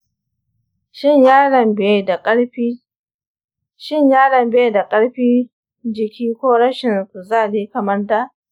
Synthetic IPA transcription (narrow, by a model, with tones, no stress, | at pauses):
ʃɪ˦˨ɲjaː˦ɽɐ˨mbe˦˨˦ɸi˦ | ʃɪ˦˨ɲjaː˦ɽɐ˨mbe˦˨da˨kʼɐ˦ɽɸiː˦ | d͡ʒɪ˨kʲiː˦kʷoː˦ɽɐ˦ʃɪ˨n˨kʊ˨zaː˦˨liː˦kɐ˨mɐ˦ndaː˦